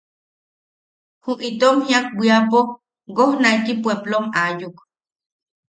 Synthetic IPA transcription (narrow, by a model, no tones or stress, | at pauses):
huʔʔit̪omhjak̚wiapo | ɡohnaik̪ipweblomajuk